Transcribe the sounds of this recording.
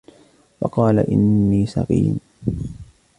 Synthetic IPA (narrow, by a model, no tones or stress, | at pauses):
wɑqɑːlaʔɪnːiːsɑqḭːn